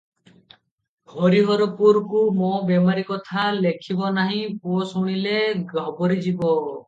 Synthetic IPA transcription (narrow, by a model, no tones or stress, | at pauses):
hɔɾiɦɔɾɔpuɾkumɔbemaɾikɔt̪ʰalekʰibɔnaɦĩpuɔsuɽ̃ileɡɔbɔɾid͡ʒibɔ